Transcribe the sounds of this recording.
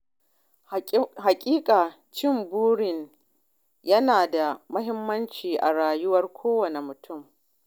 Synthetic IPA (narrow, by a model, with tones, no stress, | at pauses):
ha˨kʲʼiː˦kʼaː˨ | t͡ʃɪ˦˨mbuː˦ɽɪ˨n | jɐ˦naː˨da˨mɐ˦ɦɪ˦mːɐ˦nt͡ʃiː˨ʔa˨ɽaː˨jʊ˦wɐ˦rkʷʰoː˦wɐ˨ne˨mʊ˨tʰʊ˦˨m